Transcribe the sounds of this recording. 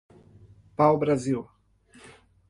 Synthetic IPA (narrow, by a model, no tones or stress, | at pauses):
pawbɾaziw